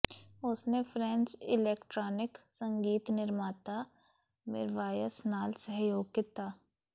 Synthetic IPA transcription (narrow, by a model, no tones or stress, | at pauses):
ʊsnefʰɾɛ̃nt͡ʃɪleːkʈɾɔːnɪksə̃ŋɡiːt̪nɪɾmaːt̪a | mɪ̰ɾʋaːjəsnaːlsəɦjoːɡ̚kit̪aː